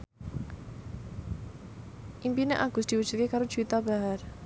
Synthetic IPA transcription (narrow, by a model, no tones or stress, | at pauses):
ʔimpineʔaɡ̥ʊsd̪̥i̤wəd̥ʒ̥ṳkekaɾo̥ʒ̥uit̪abaɦar